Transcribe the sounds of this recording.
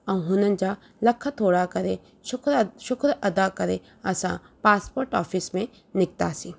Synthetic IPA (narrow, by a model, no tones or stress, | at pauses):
ɐ̃w̃ɦʊnənd͡ʒaː | lɐkʰːat̪ʰoːɽakɐɾe | ʃʊkɾʃʊkɾɐd̪akɐɾe | ɐsã̰ː | paːspoːɾʈɔːfʰismẽ | nɪk̚t̪a̰ːsi